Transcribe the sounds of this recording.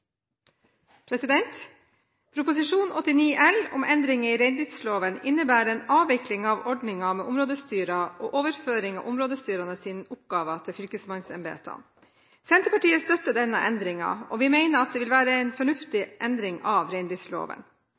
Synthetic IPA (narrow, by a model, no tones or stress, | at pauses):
pʰɾɛsɪd̪ɛnt̪ | pʰɾʊpʊs̬ɪʂuːnʔɔt̪ːɪniːʔɛlʊ̰mʔɛnd̪ɾɪŋəiːɾɛɪnd̪ɾɪt̪sloːʋənɪnːəbæːɾɛnɑːʋɪklɪŋɑʋɔɖɳɪŋɑmeːʔʊmɾoːd̪əst̪yːɾɑʔoːʔoːʋəɾføːɾɪŋɑ̰ʋʔʊmɾoːd̪əst̪yːɾɑnəsiːnʊp̚ɡɑːʋət̪ʰɪlfʏlkəsmɑnsɛmbḛːt̪ʰɑ̰n | sɛnt̪əpɑʈiːəst̪œt̪ːəd̪ɛnːə̰ʔɛnd̪ɾɪŋɑ̰ɔ̰ːʋɪːmeɪnəɾɑt̪̚d̪eːʋɪlʋæːɾəɛɪnfɔɳʉft̪ɪʔɛnd̪ɾɪŋɑʋɾɛɪnd̪ɾɪt̪slo̰ːʋə̰n